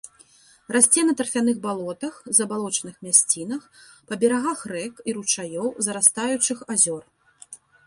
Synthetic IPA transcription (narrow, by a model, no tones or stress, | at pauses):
rasʲt͡sʲɛnɐt̪ɐrfʲan̪ɨɣbalˠɔt̪ɐxzɐbalˠɔt͡ʂɐnɨxmʲasʲt͡sʲin̪ɐxpɐbʲɛɾaɣaxrɛkiɾut͡ʂajɔwzɐɾast̪ajut͡ʂɨxazʲɔr